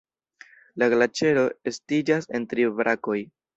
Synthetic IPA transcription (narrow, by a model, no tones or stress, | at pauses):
laɡlat͡ʃe̞ɾo̞estid͡ʒase̞ntɾivɾʔako̞j